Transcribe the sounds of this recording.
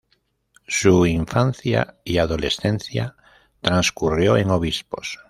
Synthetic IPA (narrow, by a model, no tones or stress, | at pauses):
suiɱfãnθja̰iaðolesθẽnθja̰ | t̪ɾãnskurjoeŋoβ̞ispo̰s